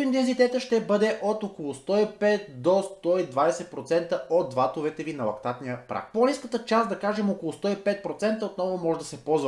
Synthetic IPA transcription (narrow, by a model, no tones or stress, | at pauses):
int̪ɛnzit̪ɛt̪əʃt̪ɛbɤd̪ɛʔot̪okolˠʊst̪ɔipɛt̪̚d̪ost̪ɔid̪vad̪ɛsɛt̪̚pɾot̪sɛnt̪əod̪vat̪ovɛt̪ɛvinɐlˠɐ̰kt̪at̪nijəpɾa̰k̚poliskət̪ət͡ʃasd̪ɐkaʒɛmokolˠʊst̪ɔipɛt̪̚pɾot̪sɛnt̪əot̪nɔvomɔʒɛd̪ɐsɛpɔzvə